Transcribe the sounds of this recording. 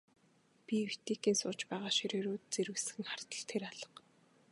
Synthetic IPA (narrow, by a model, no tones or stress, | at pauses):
pʲii̥t̪eːkiːnsʊːt͡ɕpæːʁaːʃiɾeːɾoːt̪̚t͡seɾɘ̆sxɘ̆ŋχar̥t̪ə̆ɬt̪ʰeɾaɮə̆q